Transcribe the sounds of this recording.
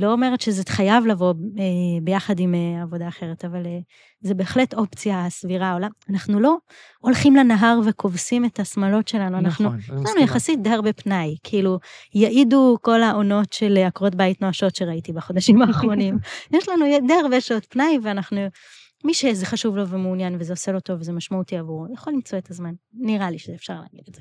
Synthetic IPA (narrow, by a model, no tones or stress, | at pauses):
lo̞ome̞ʁetʃezetχajavlavo̞ebejaχadimeavo̞daːχe̞ʁetavale | zebe̞ːχleto̞pt͡sijasviʁaolaanaχnulo̞ | olχimlenaɦaʁve̞kʰo̞vsimetasmalo̞tʃe̞lanuanaχnujeʃlanujaχasit̚deaʁbe̞pnajkʰiilujaʔiduko̞laʔo̞no̞tʃe̞leakʁo̞t̚bajitnoaʃo̞tʃe̞ʁaitibaχo̞d̪aʃimaːχʁo̞nimjeʃlanujdeaʁbeʃao̞tpnajveanaχnu | miʃezeχaʃuvlo̞vemeunjanvezeoselo̞to̞vezemaʃmautiavuʁjaχolimt͡so̞e̞tazmanːiʁaliʃezeːfʃaʁla̰ːɡid̪etz̥e